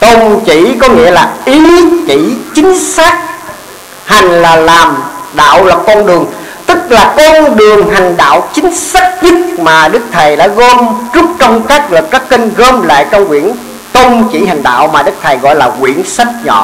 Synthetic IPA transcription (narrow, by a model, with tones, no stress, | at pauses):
t̪o˧mt͡ɕḭ˧˩˥kɔ˨˦ŋḭ˧˥əlaː˨˩ʔi˨˦t͡ɕḭ˧˥t͡ɕï˨˦ŋ̟saː˦˥k̚ | ha˨˩jŋ̟laː˨˩laː˨˩mɗa̰ː˧˨wla˨˩k̚kːɔ˧nɗɨ˨˩əŋ | t̪ɨ˦˥k̚laː˨˩kɔ˧nɗɨ˨˩əŋɦa˨˩ŋ̟ɗa̰ː˧˨wt͡ɕï˨˦ŋ̟saː˦˥k̚zɨ˦˥t̚maː˨˩ɗɨ˦˥k̚t̪ʰa˨˩jɗa̰ː˧˥ɣə˧mzʊ˦˥k͡p̚t͡ɕɔ˧wŋ͡mkaː˦˥k̚lə˨˩kkːaː˦˥kːə˧nɣə˧mla̰ː˧˨jkə˧wŋ͡mkwḭ˧˨ən | t̪o˧mt͡ɕḭ˧˥ha˨˩jŋ̟ɗa̰ː˧˨wmaː˨˩ɗɨ˦˥k̚t̪ʰə˨˩jɣɔ̰˧˨jlaː˨˩kwḭ˧˥˨ənsa˦˥k̚ɲɔ̰˧˨